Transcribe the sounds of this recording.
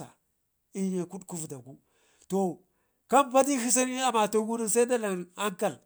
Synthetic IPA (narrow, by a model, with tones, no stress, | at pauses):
a̰˨ | i˦ɲa˨ku˦ɗku˦vda˨ku˦ | to˨ | ka˦mba˦di˦hi˦s̬a˦ni˦a˨ma˨to˨ɡu˦ni˦sa˦i˦da˦la˨na˦ŋka˦˨l